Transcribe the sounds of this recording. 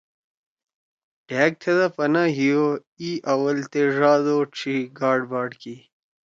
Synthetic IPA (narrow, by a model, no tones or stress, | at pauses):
ɖ̥eːk̚t̪ʰed̪ɐpɐnaɦijo | iʔɐwɐlt̪eʐaːd̪oʈ͡ʂʰiɡaːɖbaːɖki